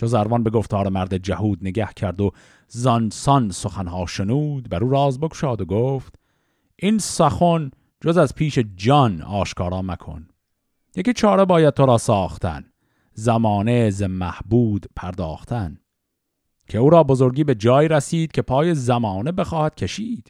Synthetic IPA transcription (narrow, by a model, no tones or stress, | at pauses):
t̪ʰozæɾvɒnbe̞ɡo̞ft̪ʰɒːɾemæɾd̪ed͡ʒæhuːd̪neɡæhcʰæɾd̪o̞ | zɒnsɒnsoxænhɑːʃenuːd̪bæɾuːɾɑːzbe̞kʰo̥ʃɑːd̪oɡoːft̪ | ʔinsæxon | d͡ʒozæzpʰiːʃe̞d͡ʒɒnɒːʃkʰɒːɾɒːmækʰo̰n | jekʲit͡ʃʰɒːɾe̞bɒːjæd̪̚t̪ʰoɾɒːsɒːxt̪æ̰n | zæmɒːnezemæhbuːd̪pʰæɾd̪ɒːxt̪ʰæn | cʲʰe̞uːɾɒːbo̞zo̞ɾɡiːbe̞d͡ʒɒːiɾæsiːd̪̥cʰʲe̞pʰɑːje̞zæmɒːne̞be̞xɒːhæd̪̥cʰe̞ʃiːd̪̥